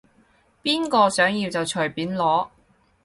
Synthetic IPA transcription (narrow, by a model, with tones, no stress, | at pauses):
piː˥nkɔː˧sœː˨˥ŋjiː˧wt͡sɐ˨˩wt͡ʃʰɵ˨˩jpiː˨˥nlɔː˨˥